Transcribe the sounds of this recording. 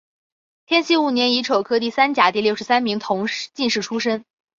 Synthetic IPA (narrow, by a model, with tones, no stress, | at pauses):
t̪ʰjɛ˥nɕi˥˧u˥˩njɛ˧˥ni˧˥ʈ͡ʂʰo˨˩ʊkʰɤ˥t̪̬i˥˩sa˥nt͡ɕja˨˩t̪i˥˧ljo˥˩ʊʂɻ̩˧˥sa˥nmi˧˥ŋt̪ʰʊ˧˥ŋʂt͡ɕi˥˧nʂɻ̩˥˩ʈ͡ʂʰu˥ʂə˥n